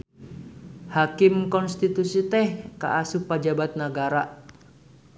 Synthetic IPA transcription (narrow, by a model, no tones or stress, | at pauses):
hakimkɔnst̪it̪usit̪ɛhka̰ʔasupad͡ʒabat̪̚naɡaɾa